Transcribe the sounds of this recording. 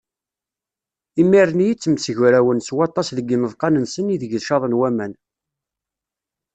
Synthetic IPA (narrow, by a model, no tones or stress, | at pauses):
imːiɾənjit͡sːəmsəʝɾæwənswɑt̪ˤːɑsðəɡːənəðˤqɑnənsəniðəʝəlʃɑðˤənwæmæn